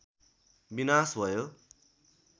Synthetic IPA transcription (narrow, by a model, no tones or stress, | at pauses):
binasbʱʌjo